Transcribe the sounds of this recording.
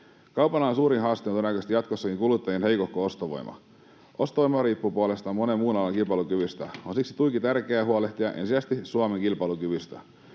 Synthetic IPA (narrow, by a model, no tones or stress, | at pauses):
kɑwpɑnɑːnsuːɾinɦɑːst̪iononækøst̪ijɑt̪kosːɑkiŋkulut̪ːɑjenɦejkokːoo̞st̪oʋo̞̰jmʔɑ̰ | ʔo̞st̪oʋojmɑɾiːpːupuolest̪ɑmonemːuːnɑlːɑŋkilpɑlukyʋyst̪æonsiksi̥t̪ujkit̪ærkeæɦuoleht̪iɑʔensisæst̪isuɑmeŋkilpɑlukyʋyst̪æ̰